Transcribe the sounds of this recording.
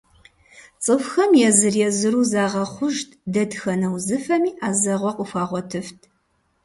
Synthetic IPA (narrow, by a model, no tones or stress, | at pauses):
t͡sʼɨfxɐmjɛzɨrjɛzɨɾuːzaːʁɐχʷʊʒtʰdɐdxɐnɐwzɨfɐmiːʔaːzɐʁʷɔqʼʊfaːʁʷɔtʰɨftʰ